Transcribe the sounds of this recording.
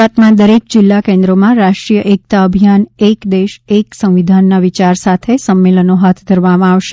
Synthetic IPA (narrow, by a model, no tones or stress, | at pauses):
at̪mãd̪əɾek̚d͡ʒɪlːakẽnd̪ɾomãɾaʃʈɾijəʔek̚t̪aəbʱijanekd̪eʃeksə̃w̃ʋid̪ʱanːaʋit͡ʃaɾsat̪ʰesəmːelənoɦat̪ʰd̪ʱəɾʋamãaʋʃe